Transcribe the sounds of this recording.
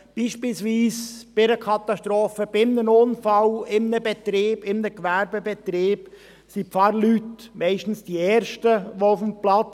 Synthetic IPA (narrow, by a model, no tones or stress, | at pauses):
b̥iːʃpilsʋiːsb̥ɪɾəkʰɑt̪ɑʃtɾoːfəb̥ɪmnənʊnfɑlɪmnəbɛt̪ɾɪːb̥ɪmnəkʋæɾbebɛt̪ɾɪːb̥ | sipfɑɾlytmɛɪʃtn̩sd̥iɛːɾʃtəʋoʊfmplɑt͡s